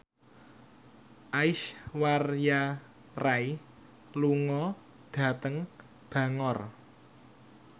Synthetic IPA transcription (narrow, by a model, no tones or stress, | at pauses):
ʔaɪʃwarja | raj | luŋɔ | ɖ̥ä̤t̪əŋ | b̥a̤ŋɔr